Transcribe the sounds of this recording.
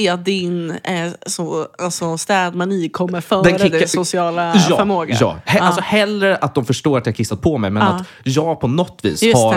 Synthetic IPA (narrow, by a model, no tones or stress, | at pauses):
ɪat̪̚d̪ɪnsɔasɔst̪ɛːd̪maniːkʰɔmːəɾfœːd̪ɛnɾkʰɪd̪ɛsʊsɪɑːlajːfœɾmoːɡjɑ̰ːhɛalsɔhɛlːɾəɾat̪̚d̪ɔmfœʂʈoːɾat̪d̪ɛhaɾkʰɪsːat̪̚pʰɔmɛjmɛna | jɑːɡpʰɔnɔt̪ːvḭːsha